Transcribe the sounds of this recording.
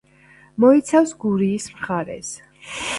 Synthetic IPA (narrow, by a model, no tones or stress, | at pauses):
mɔit̪sʰafsɡuɾiːsmχaɾɛ̰s